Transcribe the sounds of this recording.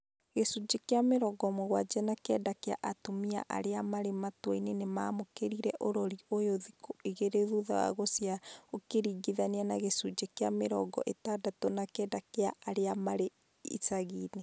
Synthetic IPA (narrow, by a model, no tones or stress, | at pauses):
ɣesud͡ʒekeameɾɔɡɔmoɣwad͡ʒɛnakɛːdakea̰ʔatomia̰ʔa̰ɾeamaɾematwɔinenemaːmokeɾiɾɛʔoɾɔɾiojoðikoeɣeɾeðuða̰a̰ɣosjaokeɾiːɡiðaneanaɣesud͡ʒekea̰meɾɔ̰ɡɔ̰ʔetaːdatonakɛdakeaʔaɾeamaɾe | ḭtaɣiːne